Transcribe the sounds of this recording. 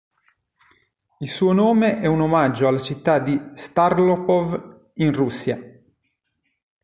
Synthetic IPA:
ilsuːonoːmeʔɛunomad͡ʒːoalːat͡ʃit̪ːad̪ist̪aɾlopɔv | inrusːja

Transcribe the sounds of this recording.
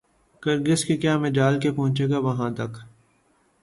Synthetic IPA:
kəɾɡɪskekjaːmɪd͡ʒaːlkepɔɦʊ̃t͡ʃeːɡaʋɐɦãt̪ɐk

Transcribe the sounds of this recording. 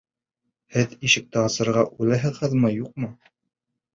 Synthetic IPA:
hɘðiʃɘ̆k̚t̪ɘɑsɤ̆ɾʁɑʔʉlæɦɘ̆ðhɤ̆ðmɤjuq̚mɤ

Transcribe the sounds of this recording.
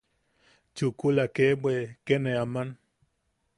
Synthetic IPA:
t͡ʃukulakebwekeneaman

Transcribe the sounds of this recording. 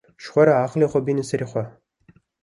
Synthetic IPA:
ʃχʷɔɾɐaːχliːχʷɔbiːnɨsɐriːχʷɔ

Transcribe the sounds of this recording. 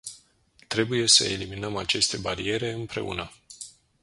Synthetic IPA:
t̪ɾe̞buje̞sə̰eliminəmat͡ʃe̞st̪e̞baɾie̞ɾe̞ɨmpɾe̞̰ṵnə

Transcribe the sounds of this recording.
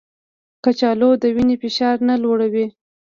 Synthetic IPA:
kat͡ʃɑlod̪əwinefɪʃɑɾnalwoɽawi

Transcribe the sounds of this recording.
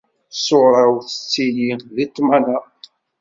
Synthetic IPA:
soɾˤɑwθə̥t͡sːijiðit̪ˤːmæna

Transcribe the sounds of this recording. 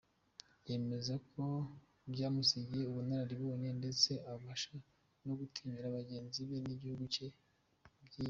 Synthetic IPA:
je̞me̞zakʰo̞ | bɟaːmusiɟije̞uβunaɾaɾiβoːɲe̞nde̞t͡se̞ʔaβaʃa | no̞ɡutʰiːɲiɾaβaɟe̞ːnziβe̞niɟihuɡut͡ʃe̞ | bɟiː

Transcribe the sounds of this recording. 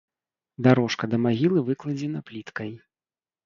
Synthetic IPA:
d̪aɾɔʂkɐd̪ɐmaɣʲilˠɨvɨklˠɐd͡zʲɛnɐplʲit̪kɐj

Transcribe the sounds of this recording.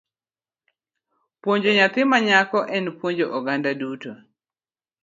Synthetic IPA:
pwoɲd͡ʒoɲat̪ɪmaɲakɔʔɛnpwoɲd͡ʒoʔɔɡandaduto

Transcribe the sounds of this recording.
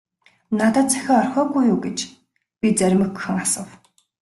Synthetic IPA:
nat̪ə̆ːt̪̚t͡sʰæ̥xʲɔːɔrxʲɔːɣujuːɡet͡ɕ | pʲit͡sæɾʲmɘ̆ɡɵxɘ̆ŋasə̆w

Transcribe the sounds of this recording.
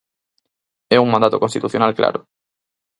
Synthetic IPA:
ɛuŋmãnd̪at̪okonst̪it̪uθjonalkla̰ɾʊ

